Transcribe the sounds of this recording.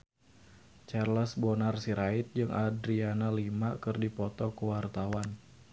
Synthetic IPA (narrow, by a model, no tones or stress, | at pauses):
t͡ʃarlɔsbɔnarsiɾaɪt̪̚d͡ʒɨŋʔadɾianalimakɨrdipɔt̪ɔkuwart̪awan